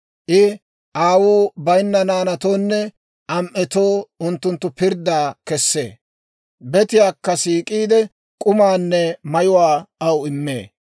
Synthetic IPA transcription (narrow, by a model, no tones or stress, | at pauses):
ʔɪ | ʔaːwuːbɐjnːɐnaːnɐt̪o̞ːnːɛ | ʔɐmʔɛt̪o̞ːʊnt̪ːʊnt̪ːʊpɪɾd̪aːkɛsːḛː | bɛt̪ɪjaːkːɐsiːkʼiːd̪ɛ | kʼʊmaːnːɛmɐjʊwaːɐwɪmːḛː